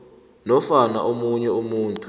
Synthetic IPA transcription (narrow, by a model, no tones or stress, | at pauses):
nɔfana̰ʔomuɲɛumuːntʰʼu